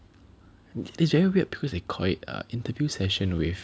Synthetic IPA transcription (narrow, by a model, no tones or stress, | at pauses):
nɪtisvɛɹiwiət̚b̥i̥kʰɔsdekʰɔlɪ̰tə̰ĩntəvjusɛʃə̃nwif